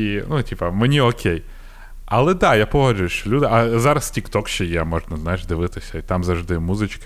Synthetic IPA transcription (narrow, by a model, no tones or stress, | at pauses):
inutʲipɐmenʲiɔkʲej | ɐlˠɛd̪ɑjapɔɦɔd͡ʒʊjeʃt͡ʃɔlʲud̪ɪʔɐzɑɾɐstʲikt̪ɔkʃt͡ʃɛjɛmɔʒnɐznajɪʒd̪ɪʋɪt̪ɪsʲɐit̪ɑmzɐwʐd̪ɪmuzɪt͡ʃkɪ̥